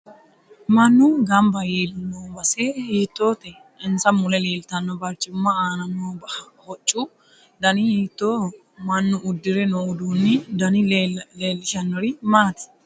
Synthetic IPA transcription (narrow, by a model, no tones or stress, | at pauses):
mɐnːʊɡɐmbɐjeːlʊnːoːbɐsehiːt̪ːoːt̪ɛ | ɪnsɐmʊlɛle̞ːlt̪ɐnːɔbɐɾt͡ʃʼːɪmːɐaːnɐnːoːbɐ | hɔt͡ʃʼːu | d̪ɐnɪhiːt̪ːoː | mɐnːʊʔʊd̪ːɪɾɛnoːd̪uːnːɪd̪ɐnɪleːlːɪʃɐnːɔɾɪmaːt̪ɪ̥